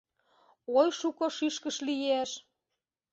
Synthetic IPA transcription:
ojʃukoʃiʃkəʃlijeʃ

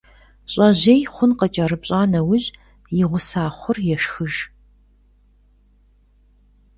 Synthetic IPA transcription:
ɕʼɐʑeːjχʷʊnqət͡ʃʼɐrɨpɕʼaːnɐwʊʑ | jɪʁʷʊsaːχʷʊrjɛʃxɨʒ

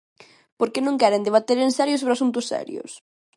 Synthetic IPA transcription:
poɾkenõŋkɛɾend̪eβat̪eɾensɛɾjʊsoβɾasunt̪ʊsːɛ̰ɾjʊ̰s

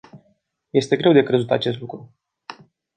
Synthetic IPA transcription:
je̞st̪e̞ɡɾe̞wd̪e̞kɾe̞zut̪at͡ʃe̞s̬t̪lukɾu

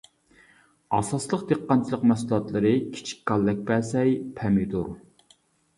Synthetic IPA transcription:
ɑsɑslˠəqd̪eqːɑnt͡ʃʰilˠəqmɛsulˠɑt̪lˠɨɾɨkʲʰi̥t͡ʃʰi̥kʲkːɑlːɛk̚ʲbæsɛjpʰɛmɪd̪uɾ

